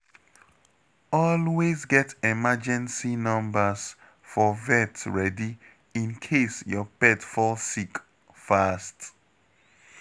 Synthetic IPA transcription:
ɔlwezɡɛtɛmad͡ʒɛ̃nsinʌ̃mbəs | fɔvɛtɹɛdi | ĩnkʰesjɔpɛtfɔlsik | fast

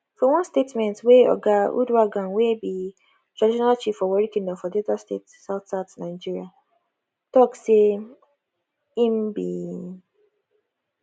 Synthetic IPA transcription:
fɔwɔ̃nstetmɛ̃ntweɔ̰ɡaṵdwaɡãnwebi | tɾadiʃɔnalt͡ʃifɔwɔɾikĩŋdɔ̃fɔdiɔdastḛtsaʊtsatnaɪd͡ʒiɾia | tɔkse | im̩bi

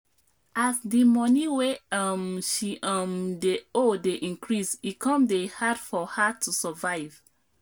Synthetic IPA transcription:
ʔasdimɔniweɔmʃiʔɔ̃mdeodeʔĩnkɹisikʰɔ̃mdehadfɔhatʰusəvaɪv

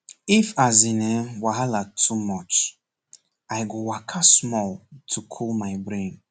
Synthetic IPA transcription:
ifazĩnɛwaɦalatʰumɔt͡ʃ | ajɡowakʰasmɔlˠtʰukʰulmaɪbɹẽn

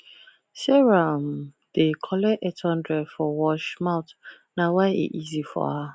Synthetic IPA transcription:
sɛɹam | d̥ekʰɔlɛʔɛtʰɔ̃ndɹɛfɔwɔʃmaʊt | nawaɪḭʔizifɔ̰ha

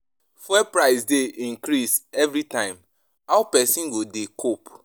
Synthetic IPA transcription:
fwɛpɹaɪsdeʔĩŋkɾisɛvɾitãɪ̃m | aʊpɛsĩnɡodekʰop

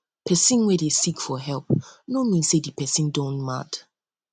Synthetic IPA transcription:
pʰɛsĩnwɛdesikfɔɦɛlˠpnomĩnsedipʰɛsĩndõnma̰d

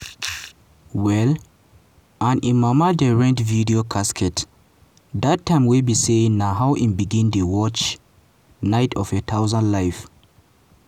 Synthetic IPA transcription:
wɛl | ãnĩnmamadɛɹɛ̃ntvidiokʰaskʰɛt | datʰːãɪ̃mwilbiseĩŋnaɦawʔĩnbiɡĩndewɔt͡ʃ | naɪtʰɔfet̪ʰaʊzãndlajf

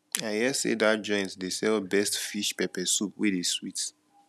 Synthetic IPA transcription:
ajɛsḛdad͡ʒɔ̃ɪ̃ntdesɛlbɛstfiʃpɛpɛsupwedeswit

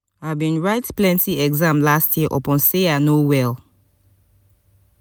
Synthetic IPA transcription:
avbĩnɹaɪtplɛ̃ntiɛɡzãmlastʰjiəʔɔ̰pɔ̃nseanowɛl

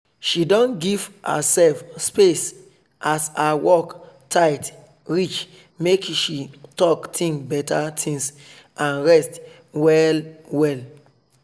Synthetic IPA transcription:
ʃidɔ̃nɡivə̰sɛlfspes | ʔasaawɔktʰaɪt | ɹit͡ʃ | mekʃitɔktʰĩŋbɛtʰatʰĩŋs | ãnɹɛst | wɛlwɛl

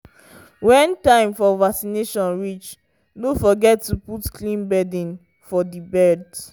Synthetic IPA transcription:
wɛ̃ntãɪ̃mfɔvaksineʃɔ̃nɹit͡ʃ | nofɔɡɛtːuputkʰlĩnbɛdĩn | fɔdibɛd

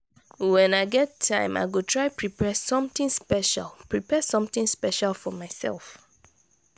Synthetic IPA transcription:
wɛ̃naɪɡɛtʰːã̰ɪ̃ma̰ɪɡotʰɹaɪpʰɹipʰɛsɔ̃mtɪ̃ŋspɛʃa̰lˠpɹipɛsɔ̃mθĩŋspɛʃalˠfɔmaɪsɛ̰lˠf

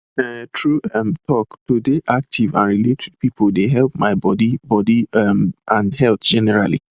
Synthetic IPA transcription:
ɛtʰɹuɛmtʰɔktudeʔak̚tʰivã̰nɹiletʰid̚pipʰoldeɦɛlˠpmaɪbɔdibɔdimʔãnhɛltd͡ʒɛnɛɹalḭ

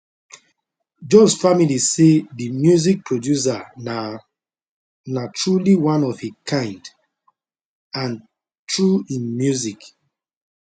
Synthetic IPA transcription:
d͡ʒõsfamiliseðimjuzik̚pʰɹodjus̬ana | natʰɹuliwãnɔvhikʰãɪ̃nd | ãn | tɹuĩnmjuzik

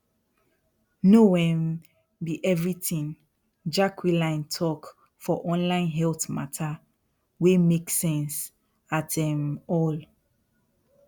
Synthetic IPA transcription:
nowɛ̃n | biʔɛvɹitĩŋ | d͡ʒakʰwilãɪ̃ntʰɔk | fɔʔɔ̃nlãɪ̃nɦɛlθmatʰa | wemeksɛ̃ns | atdɛ̃mɔl

